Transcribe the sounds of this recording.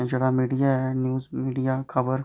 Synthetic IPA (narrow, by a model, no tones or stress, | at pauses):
d͡ʒeɽamiːɖijaɦɛnjuːzmiːɖijakʰɐbəɾ